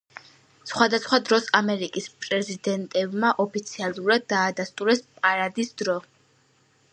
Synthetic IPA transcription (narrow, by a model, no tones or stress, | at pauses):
sχwad̪asχwad̪ɾɔsamɛɾikʼispʼɾɛzid̪ɛnt̪ʼɛbmaʔɔpʰit̪sʰialˠuɾad̪ːaːd̪ast̪ʼuɾɛspʼaɾad̪isd̪ɾɔ